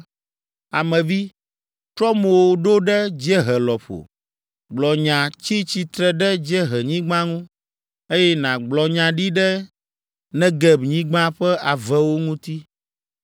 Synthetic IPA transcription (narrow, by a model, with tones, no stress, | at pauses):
a˨mɛ̃˨vi˦ | tɾɔ˦mo˨wo˦ɖo˦ɖɛ˦d͡ʑɛ˦ɦɛ˨lɔ˨ɸo̰˨ | ɡ͡blɔ˨ɲã˨t͡ɕi˦t͡ɕi˨t̪ɾɛ˨ɖɛ˦d͡ʒɛ˦ɦɛ˨ɲĩ˦ɡ͡bã˦ŋũ˦ | e˦jɛ˦nã˨ɡ͡blɔ˨ɲã˨ɖi˦ɖɛ˦ | nɛ̃˦ɡɛ˨bɲĩ˦ɡ͡bã˦ɸɛ˦a˨vɛ˦wo˦ŋũ˦t̪i˦